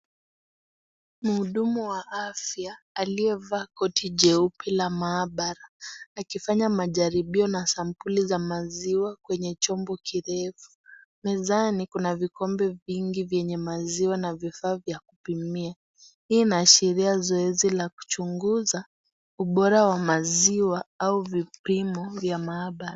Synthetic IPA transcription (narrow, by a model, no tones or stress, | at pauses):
muhuɗumuwaʔafjaː | liɛvaːkɔtʰiʄɛupʰɛlamaːɓaɾaːkifaɲamaʄaɾiɓiɔnasam̩pulizamaziwakwɛɲɛt͡ʃɔmbɔkʰiɾɛfu̥ | mɛzanikunavikɔmbɛviŋɡivjɛɲɛmaziwanavifaːvjakupimia | hiːnaːʃiɾiazɔɛzilaku̥t͡ʃuŋɡuza | uɓɔɾawamaziwaauvipimɔvjamaːɓaɾa